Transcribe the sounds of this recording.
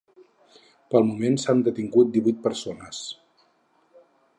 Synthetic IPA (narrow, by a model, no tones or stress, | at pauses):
pəlˠmumensand̪ət̪iŋɡut̪̚d̪iβujt̪̚pəɾsonəs